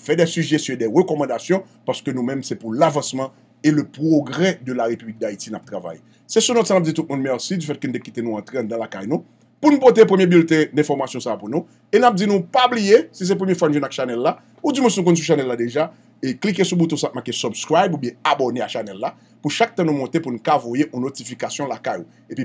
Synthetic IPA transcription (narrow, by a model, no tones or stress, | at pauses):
fɛdɛsyʒestjɔ̃edɛʁøkɔmɑ̃d̪asjɔ̃ | paʁskønũmɛ̃msɛpulavɐ̃smɑ̃ | eløpʁoɡʁɛd̪ølaʁepyblik̚d̪aitinap̚t̪ʁava̰jḛ | sɛsunɔt̪sanap̚d͡zit̪ut̪̚mũnmɛʁsid͡zyfɛt̪̚kønut̪ekit̪enũãt̪ʁeãd̪ãlaka̰jnũ | punupot̪̬epʁəmjebylt̪ɛ̃d̪ɛ̃fɔʁmasjɔ̃sapunũ | enap̚d͡zinũpablijesis̬ɛp̬ʁəmjɛfwanũʒɛ̃nakʃanɛlːa | ud͡zimũsinũk̬ɔ̃ns̬uʃ̬anɛlːadeʒa | eklikesubut̪ɔ̃sap̚mãkesɔbskʁajbubjɛ̃aboneaʃanɛlːa | puʃak̚t̪ãnũmɔ̃t̪epunũkavojeʔũnotifikasjɔ̃lakajo | epi